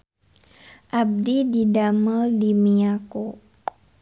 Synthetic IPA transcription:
ʔab̚dididaməlimiako

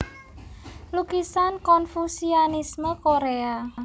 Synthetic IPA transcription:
lukisankɔnfusionisməkoɾea

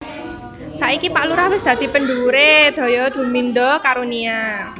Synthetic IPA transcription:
saʔikipaʔluɾahwɪsd̪̥ä̤d̪̥i̤pənɖ̪uɾed̪̥ɔ̤jɔd̪̥ṳmind̪ɔkaɾonia

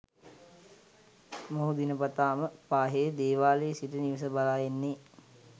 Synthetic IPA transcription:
moɦud̪inəpat̪aːməpaːɦejəd̪eːʋaːlesiʈəniʋəs̬əbalaːjenːe

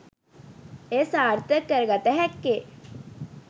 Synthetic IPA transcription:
eːsaːɾt̪əjəkːəɾəɡat̪əɦɛkːe

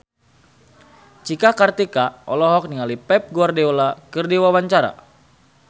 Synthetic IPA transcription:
t͡ʃikakart̪ikaɔlɔɦɔk̚niŋalipɛp̚ɡuardeolakɨrdiwawaɲt͡ʃaɾa̰

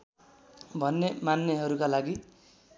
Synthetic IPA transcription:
bʱʌnːemanːeɦʌɾukalaɡi

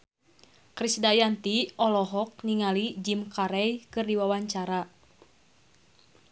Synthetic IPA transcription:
kɾisdajant̪iʔɔlɔɦɔk̚niŋalid͡ʒimkaɾɛjkɨrdiwawaɲt͡ʃaɾa

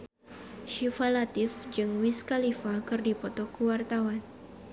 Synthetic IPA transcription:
ʃifalat̪ɪfd͡ʒɨŋwiskalifakɨrdipɔt̪ɔkuwart̪awan

